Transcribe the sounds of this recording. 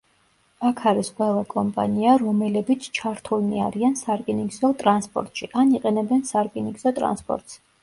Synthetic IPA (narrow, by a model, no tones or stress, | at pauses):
akʰaɾisqʼwɛlˠakʼɔmpʼa̰niaɾɔmɛlɛbit̪sʰt͡ʃʰaɾt̪ʰulnia̰ɾiansaɾkʼiniɡzɔt̪ʼɾanspʼɔ̰ɾt̪ʼʃiʔaniqʼɛnɛbɛnsaɾkʼiniɡzɔt̪ʼɾa̰nspʼɔ̰ɾt̪ʼs